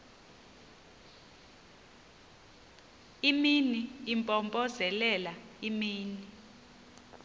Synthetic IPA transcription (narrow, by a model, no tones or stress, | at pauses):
iminiːmpʼɔmbʼɔzɛlɛlaimiːni